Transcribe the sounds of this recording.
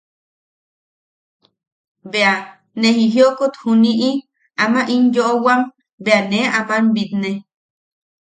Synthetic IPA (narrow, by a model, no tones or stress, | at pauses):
bea | nehiɦjokut̪huniʔi | amaʔinjoʔowam | beaneapanbit̪ne